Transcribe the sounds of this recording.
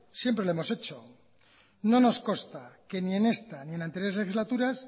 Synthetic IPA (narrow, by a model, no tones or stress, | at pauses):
sjempɾe̞lemo̞se̞t͡ʃo | no̞no̞sko̞st̪ake̞nie̞ne̞st̪anie̞nãnt̪eɾjezle̞xizlat̪uɾas